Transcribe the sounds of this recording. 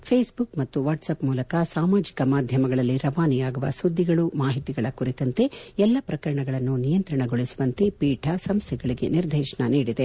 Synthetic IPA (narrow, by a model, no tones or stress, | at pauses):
pʰeːsbukmɐt̪ːuʋaːʈsɐpmuːlɐkɐsaːmaːd͡ʒikɐmaːd̪ʱjɐmɐɡɐɭɐlːiɾɐʋaːnijaːɡuʋɐ̰sud̪ʱːiɡɐɭumaːɦit̪iɡɐɭɐkuɾit̪ɐnt̪e̞ɛlːɐpɾɐkɐɾɐɳɐɡɐɭɐnːunijɐnt̪ɾɐɳɐɡoɭisuʋɐnt̪e̞piːʈʰɐsɐmst̪ʰɛɡɐɭiɡe̞̰niɾd̪ʱɛːʂɐɳɐniːɽid̪e